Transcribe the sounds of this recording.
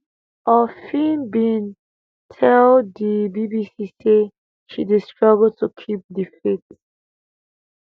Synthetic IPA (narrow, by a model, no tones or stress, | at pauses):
ɔfĩnbĩn | tʰɛldibibisise | ʃidistɹaɡəltʰukʰip̚difit